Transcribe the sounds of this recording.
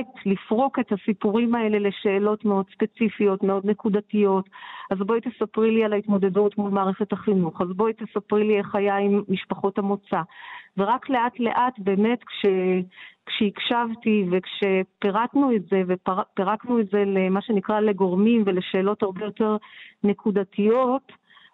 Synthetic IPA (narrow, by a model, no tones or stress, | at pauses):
tlifʁo̞ke̞tasipuʁimae̞le̞le̞ʃe̞ːlo̞tme̞o̞dspe̞t͡sifijo̞tmeo̞dne̞kudatijo̞tazbo̞it̪esapʁilialaitmo̞de̞dutmulmaːʁeχe̞thaχinuχazbo̞it̪esapʁilieχajaimːiʃpaχo̞thamo̞t͡saveʁakle̞ʔatle̞̰ʔatbe̞ːme̞tkʃekʃeikʃavtivekʃe̞peʁatnuetze̞vepeʁaknuetze̞lemaʃe̞nikʁale̞ɡo̞ʁmimve̞leʃe̞ːlo̞taʁbe̞jo̞te̞ʁne̞kudatijo̞t